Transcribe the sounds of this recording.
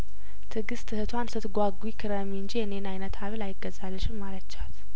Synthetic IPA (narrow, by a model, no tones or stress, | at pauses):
t̪ʰɨɡɨst̪ʰːɨhɨt̪ʰwansɨt̪ɡʷaɡwikʰɨɾəmiɨnd͡ʒijɛnenajnət̪ʰaβlajɪɡːəzalːəʃɪnmalət͡ʃːat̪